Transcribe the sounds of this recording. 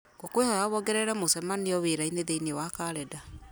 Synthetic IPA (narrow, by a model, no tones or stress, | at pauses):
ɡ̥okwehɔjaβɔɡɛɾɛɾɛmosɛmanejɔweɾaineðeinewakaːɾɛda